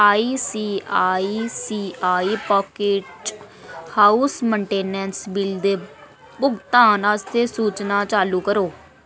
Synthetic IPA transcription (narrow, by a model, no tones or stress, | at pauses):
aːiːsiːaːiːsiːʔaːiːpɔːkeʈ | haːusməɳʈeːnɛnsbɪld̪eː | bʊɡt̪aːnəst̪ʰeːsuːt͡ʃnaːt͡ʃaːluːkəɾoː